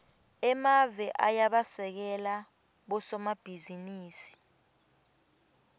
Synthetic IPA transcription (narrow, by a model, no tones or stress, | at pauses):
ɛmavɛʔajaɓasɛk̬ɛla | ɓɔsɔmab̥ʱiziniːsi̥